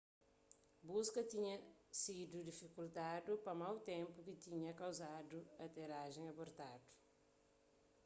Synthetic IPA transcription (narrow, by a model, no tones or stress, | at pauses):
buskɐt̪iɲɐsid̪ud̪ifikult̪ad̪upɐmawt̪ẽmpukit̪iɲɐkɐwzad̪uɐt̪eɾaʒẽj̃ɐboɾt̪ad̪u̥